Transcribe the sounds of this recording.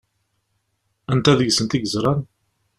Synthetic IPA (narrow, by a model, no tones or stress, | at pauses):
ænt̪æðəʝsənt̪iɡəzɾˤɑn